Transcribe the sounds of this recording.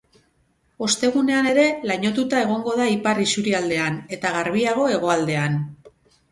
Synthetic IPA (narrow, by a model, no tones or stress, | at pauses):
o̞st̪e̞ɣ̞une̞ane̞ɾe̞laɲo̞t̪ut̪ae̞ɣ̞o̞ŋɡo̞ðaiparisuɾiald̪e̞ane̞t̪aɣ̞aɾβiaɣ̞o̞e̞ɣ̞o̞ald̪e̞an